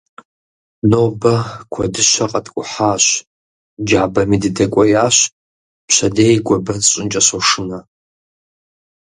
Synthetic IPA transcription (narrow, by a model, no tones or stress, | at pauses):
nobɐkʷʰadɨʃʷaqʼatʼɡʷʼʊħaːʃʷ | d͡ʒaʕbɐmidɨdɐkʷʼajaɕʷ | pʃʷadeːjɡʷabɨrɕʷʼɪnt͡ʃʼasoʂɨna